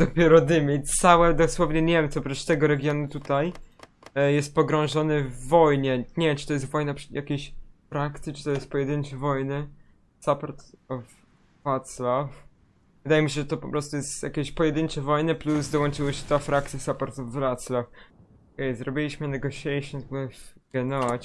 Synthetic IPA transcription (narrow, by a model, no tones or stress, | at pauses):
d̪ɔpʲjɛɾɔd̪ɘmʲɛt̪sawɛd̪ɔswɔvɲɛɲɛmt̪sɔpʐɛʂt̪ɛɡɔɾɛɡʲjɔnut̪ut̪aj | jɛst̪̚pɔɡɾɔ̃w̃ʐɔnɨvːɔjɲɛɲɛt͡ʂɨt̪ɔjɛs̬t̪vɔjnapʂjʔakʲeɕfɾakt̪sʲit͡ʂɨ̥t̪ɔjɛst̪̚pɔjɛd̪ɘnt͡ʂɛvɔjnɘ | sapɔɾt̪ɔv | vat̪slaf | vɨd̪ajɛmʲiɕɛʐɛt̪ɔpɔpɾɔst̪ujɛst̪ja̰kʲeɕpɔjɛd̪ɘnt͡ʂɛvɔjnɨplusd̪ɔwɔ̃nt͡ʂɨwɔɕɛt̪afɾak̚t̪sʲjasapɔɾt̪ɔvːlat̪slaf | ɔkɛjzɾɔbʲilʲiɕmɘnɛɡɔɕʲɛjʂɔnzbɡɛnɔvat͡ɕ